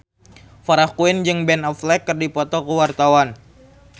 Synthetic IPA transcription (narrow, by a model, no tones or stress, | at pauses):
faɾahkuɪnd͡ʒɨŋbɛnɔflɛkːɨrdipɔt̪ɔkəwart̪awan